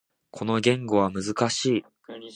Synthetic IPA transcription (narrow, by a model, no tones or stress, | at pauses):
kʰo̞no̞ɡʲẽ̞ŋɡo̞βamɯzɨkaɕiː